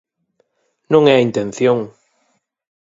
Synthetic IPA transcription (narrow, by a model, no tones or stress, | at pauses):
nõŋɛint̪ẽnθjoŋ